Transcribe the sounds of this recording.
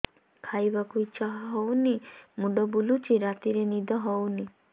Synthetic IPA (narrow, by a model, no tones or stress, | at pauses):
kʰajbakujt͡ʃaɦaɦɔwnimuɖɔbulut͡ʃiɾat̪iɾenid̪ʱɔɦɔwni